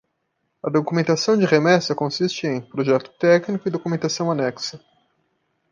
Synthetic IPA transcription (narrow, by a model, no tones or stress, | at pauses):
ɐd̪okumẽnt̪asɐ̃w̃d͡ʒɪʁemɛsɐkõsist͡ʃɪẽj̃pɾoʒɛt̪ʊ̥t̪ɛknikʊɪd̪okumẽnt̪asɐ̃w̃anɛksɐ